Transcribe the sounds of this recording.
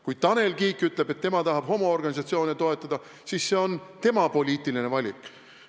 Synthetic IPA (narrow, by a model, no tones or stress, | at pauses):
kujd̥̪̚t̪ɑne̞lkiːkːˑyt̪ˑle̞b̥e̞t̪ːe̞mɑt̪ɑɦɑb̥ho̞moorɡɑnʲisɑt̪sio̞ːnet̪o̞e̞t̪ˑːɑd̪̥ɑ | sisːe̞o̞nt̪e̞mɑpo̞lʲiːt̪ˑiline̞vɑlʲikˑ